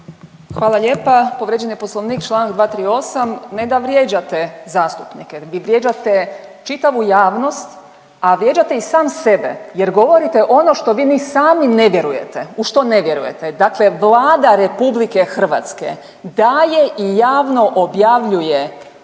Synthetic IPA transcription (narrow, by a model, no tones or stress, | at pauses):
xʋaːlˠaʎe̞ːpapoʋɾed͡ʑeniposlˠoʋniːkt͡ʃlˠanɡd̪ʋaːt̪ɾiːo̞samned̪aʋɾje̞ːd͡ʑat̪ezaːst̪upnikeʋiʋɾʲje̞ːd͡ʒat̪et͡ʃit̪aʋujaːʋno̞st̪ | aʋɾje̞d͡ʒat̪e̞isaːmse̞bḛjeɾɡo̞ʋo̞ɾit̪eʔo̞no̞ʃt̪o̞ʋiːnisaːmine̞ʋje̞ɾuje̞̰t̪euʃt̪o̞ne̞ʋje̞ɾṵje̞̰t̪ed̪akle̞ʋlˠaːd̪aɾe̞publike̞xr̩ʋa̰t̪skḛ | d̪aje̞ʔijaːʋno̞ʔobjaʋʎuje̞